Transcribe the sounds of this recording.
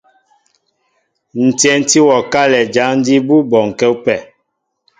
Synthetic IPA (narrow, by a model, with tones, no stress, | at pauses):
n̩˨tɛ˦n˦ti˦wɔ˨ka˦lɛ˨d͡ʒa˨˦ŋn̩˦di˦bu˦bɔ˨ŋ̩˨kɛ˦u˦pɛ˦˨